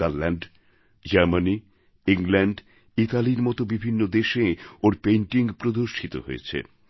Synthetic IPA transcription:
allaɳɖ | d͡ʑaɾmani | iŋlɛɳɖ | it̪aliɾmɔt̪obibʱinːod̪eʃeoɾpejɳʈiŋpɾod̪oʃʈʰit̪oɦo̰ḛt͡ɕʰḛ

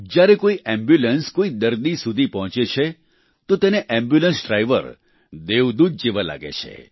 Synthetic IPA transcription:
d͡ʒjaɾekoiʔɛ̃mbjulənskoid̪əɾd̪isud̪ʱipɔɦɔ̃t͡ʃet͡ʃʰe | t̪ot̪eneʔɛ̃mbjulənsɖɾajʋə̰ɾ | d̪eʋd̪ud̪̚d͡ʒiʋala̰ɡḛt͡ʃʰḛ

